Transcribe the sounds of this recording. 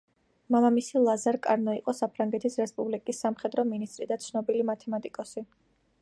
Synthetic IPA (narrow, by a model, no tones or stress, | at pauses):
malˠamisilˠazaɾkʼaɾnɔiqʼɔsapʰɾaŋɡɛt̪ʰisɾɛspʼublikʼisːamχɛd̪ɾɔminist̪ʼɾid̪at̪sʰnɔbilimat̪ʰɛmat̪ʼikʼɔsi